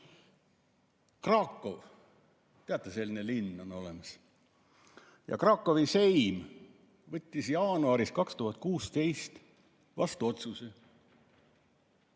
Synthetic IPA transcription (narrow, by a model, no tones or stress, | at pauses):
krɑːkːo̞v | t̪eɑt̪ːˑese̞lːinelinːo̞no̞le̞mɑs | jɑ̰krɑːkːo̞vise̞jm | vɤt̪ʲːˑisjɑːnuɑɾiskɑkst̪uɦɑt̪̚ːˑkuːst̪e̞jst̪ | vɑ̰st̪uo̞t̪suse